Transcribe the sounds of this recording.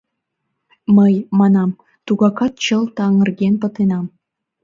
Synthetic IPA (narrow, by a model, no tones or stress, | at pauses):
məjmɑnɑm | t̪uɣɑkɑt̪̚t͡ɕəlt̪ɑŋə̆rɡenpə̆t̪enɑm